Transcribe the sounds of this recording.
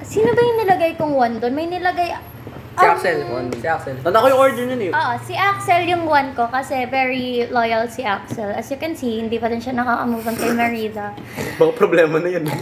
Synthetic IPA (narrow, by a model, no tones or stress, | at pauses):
siːnobɐjʊŋnɪlɐɡajkʊŋwand̪onmɐjnɪlɐɡaj | iaksɛlansiaksɛlkɐnd̪ɐkojʊŋʔoɹd̪ɛnjonɪʔoʔosiʔak̚sɛljʊŋwanko̞kɐsɛvɛɹilojɐlsiʔak̚sɛlɐsjʊkɛnsihɪnd̪iːpɐd̪ɪnʃɐnɐkaʔɐmuːvɐnkɐjmɐɹiːd̪ɐ | bɐkɐpɾoblɛːmɐnɐjon